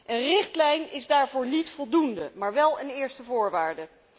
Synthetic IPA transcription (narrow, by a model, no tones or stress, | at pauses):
ʔənrɪχtlɛjnɪzdaːɹvʊːɹnitfɔlˠdundəmaːɹʋɛlˠənɪːɹstəvʊːɹʋaːɹdə